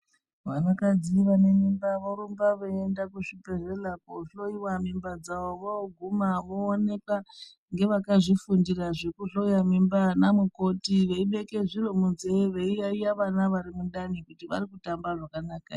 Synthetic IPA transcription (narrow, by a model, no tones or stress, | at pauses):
ʋanakad͡ziʋanemimbaʋoɾumbaʋoendakuʂipe̞relapoɬoiwamimbad͡zaʋo̞ʋoɡʱumaʋoːne̞ka | ŋɡe̞ʋakaʐifundiraʐe̞kuɬo̞jamimbanamuko̞tiʋe̞iɓe̞ke̞ʐiɾo̞munzeʋe̞ijaijaʋanaʋaɾimunɗanikutiʋa̰ɾikutambaʐakanaːka̰